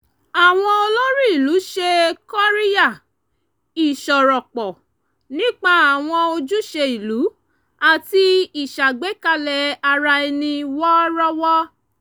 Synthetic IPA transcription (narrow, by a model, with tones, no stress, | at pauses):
a˨w̃ɔ̃˧o˧lo˦ɾi˦i˨lu˨˦ʃe˧kɔ˦ɾi˦ja˦˨ | i˨ʃɔ˨ɾɔ˨k͡pɔ˨ | nĩ˦k͡pa˦a˨w̃ɔ̃˧o˧d͡ʒu˦ʃe˧i˨lu˨˦ | a˨ti˧i˨ʃa˨ɡ͡be˨˦ka˧lɛ˨a˧ɾa˧i˧nĩ˧wɔ˦ɾɔ˦wɔ˦